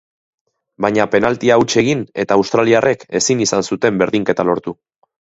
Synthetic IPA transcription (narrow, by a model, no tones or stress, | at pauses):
bajɲape̞nalt̪iaut͡ʃeɣine̞t̪aːwst̪ɾaliarʔe̞ke̞sinisansut̪e̞mbe̞ɾðiŋke̞t̪alo̞ɾt̪u